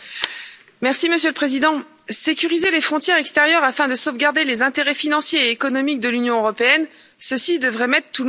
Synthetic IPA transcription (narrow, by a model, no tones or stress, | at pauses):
mɛʁsiməsjøləpχezid̪ɑ̃ | sekʲyʁizelefχɔ̃t̪jɛʁɛkst̪ɛʁjœʁafɛ̃d̪əsovɡaʁd̪elezɛ̃t̪eʁɛfinɑ̃sjeːkɔnɔmik̚d̪əlynjɔ̃øʁɔpeɛn | səsid̪əvʁɛmɛt̪χt̪ul